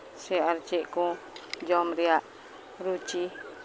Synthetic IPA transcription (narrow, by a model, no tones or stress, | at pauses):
seart͡ʃiʔku | d͡ʒɔmɾiaʔ | ɾut͡ʃi